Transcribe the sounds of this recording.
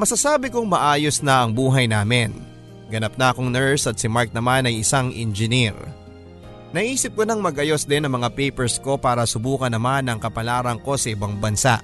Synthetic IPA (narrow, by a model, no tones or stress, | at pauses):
mɐsɐsaːbɪkoŋmɐʔaːjosnɐʔɐŋbuːɦɐjnaːmɪn | ɡɐnɐp̚nɐɐkoŋnɛɹsɐt̪̚sɪmaɹk̚nɐmanɐjɪsaŋʔɪ̰nd͡ʒɪniɾ | nɐʔiːsɪp̚konɐŋmɐɡʔɐjosd̪ɪnːɐŋmɐŋapɛjpɛɹsko̞paːɾɐsʊbuːkɐnːɐmanɐŋkɐpɐlaːɾɐŋko̞sɐʔɪbaŋbɐnsa̰ʔ